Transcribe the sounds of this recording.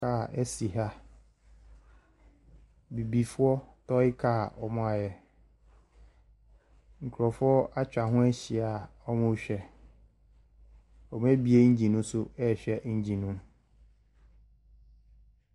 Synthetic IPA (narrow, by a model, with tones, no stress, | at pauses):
a˨ɛ˦si˨ɦa˦ | bi˨bi˨fʊ˦ɔ˦tʰɔ˦ɪ˦kʰa˦˨ɔ˨mʊ̃˦a˨jɛ˦˨ | ŋ̩˨kʰɾɔ˨fʊ˦ɔ˦a˦t͡ɕᶣa˨ɦʊ̃˦æ˦ɕɪ˨a˨ɔ˦mʊ̃˦ɕᶣɛ˨ | ɔ˨m̃˦æ˦bi˦e˦ɲ̩˦d͡ʑĩ˨nũ˦sʊ˦ɛ˦˨ɕᶣɛ˨ɲ̩˦d͡ʑĩ˨nũ˦m